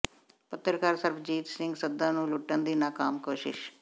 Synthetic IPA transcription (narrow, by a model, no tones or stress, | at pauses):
pɐt̪ːɾɐkaːɾsɐɾpʰd͡ʒiːt̪siŋɡsɐd̪ːaːnuluʈːɐnd̪inaːkaːmkoːʃḭʃ